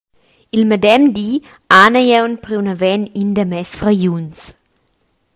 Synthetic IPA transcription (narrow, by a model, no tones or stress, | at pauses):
ilmədɛmd̪i | anəjɛwnpɾiunavɛnind̪əmɛsfɾajuns